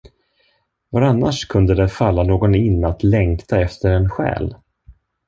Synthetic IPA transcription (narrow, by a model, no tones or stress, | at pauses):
vaɾanːaʂkʰɵnd̪əd̪ɛfalːanoːɡɔnɪnːat̪lɛŋkt̪ʰaɛft̪ʰəɾɛnɧɛ̰ːl